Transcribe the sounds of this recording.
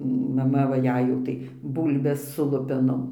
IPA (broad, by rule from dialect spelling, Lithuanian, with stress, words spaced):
mɐˈmɐ ʋɐ ˈjɛɪ jɛʊ ˈtɐɪ ˈbuːlʲbʲɛs sʊ ˈlˠʊpʲɛnoːm